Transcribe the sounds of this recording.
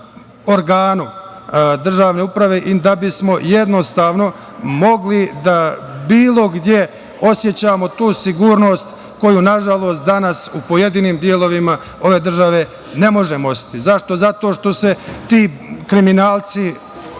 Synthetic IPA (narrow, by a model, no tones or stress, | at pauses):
o̞ɾɡaːnu | d̪r̩ʒaːʋne̞ːupɾaʋe̞ːʔid̪abismo̞je̞d̪no̞st̪aːʋno̞ | mo̞ɡlid̪abiːlˠo̞ɡd̪je̞ | o̞sje̞t͡ɕaːmo̞t̪uːsiɡuːɾno̞st̪ | ko̞junaʒalˠo̞ːst̪̚d̪anasupo̞je̞d̪iːniːmd̪jelˠo̞ʋima | o̞ʋe̞ːd̪r̩ʒaʋe̞ | ne̞mo̞ʒemosi̥t̪izaʃt̪o̞zat̪o̞ːʂt̪o̞se̞t̪iːkɾiminaːlˠt̪si